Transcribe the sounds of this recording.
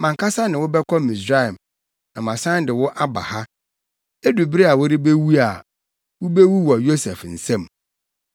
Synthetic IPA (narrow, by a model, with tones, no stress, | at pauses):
mã˨ŋkʰa˦sa˦nɪ̃˨wʊ˦bɛ˦kʰɔ˦mĩ˨sɾa˦ɛ˨m | nã˨mã˨sã˦n˦dɪ˨wʊ˦ʔa˦ba̰˨ha˦ | e˦du˨bi˦ɾi˦a˨wʊ˦ɾɪ˦be˦wu˦a˨ | wʊ˦be˦wu˦wɔ˨jo˦sɛ˨fn̩˨sɛ̃˦m